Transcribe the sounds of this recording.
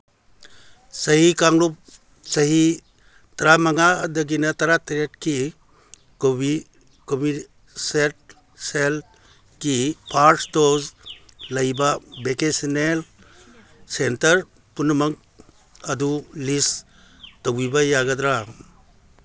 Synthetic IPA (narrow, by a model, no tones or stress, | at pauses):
sɐɦikaŋlup̚ | sɐɦi | t̪ɐɾamaŋadɐɡinɐtɐɾatɾetki | kobi | kobi | set̚ | sel | kipʰaɾʈtozlɐjbabekesinel | sentɐɾ | punmaŋ | ɐd̪ulis | tawibajaɡad̪ɾa